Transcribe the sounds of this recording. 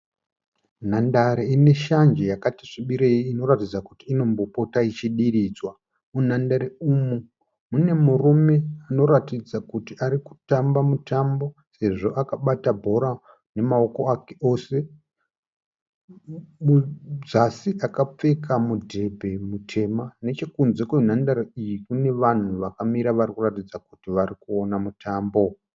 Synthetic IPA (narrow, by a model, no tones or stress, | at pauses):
n̤andaɾeine̞ʃand͡ʒejakatiʐiɓiɾeiino̞ɾatid͡zakutiːno̞mbopo̞tait͡ʃiɗiriːd͡zwa | un̤andaɾeumu | mune̞murume̞ano̞ɾatid͡zakutiaɾiku̥tambamutambo̞se̞ʐo̞ʔakaɓatabʱo̞ɾa | ne̞mao̞ko̞akeo̞ːse̞ | muzasiʔakap͡fe̞kamudʱe̞bʱe̞mutʰe̞mane̞t͡ʃekunzekoun̤andaɾeijikune̞ʋan̤uʋakamiɾaʋarikuratid͡zakutiʋaɾikuonamutʰaːmbo̞